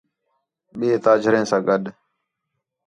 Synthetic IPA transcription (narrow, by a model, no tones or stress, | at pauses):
ɓeːt̪aːd͡ʒʱəɾẽːsãːɡəɗ